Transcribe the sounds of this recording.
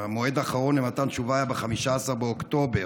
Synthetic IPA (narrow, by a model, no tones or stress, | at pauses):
amo̞e̞d̪aːχaʁo̞nemat̪ant̪ʃuvajabeχamiʃaːsaʁbeokt̪o̞be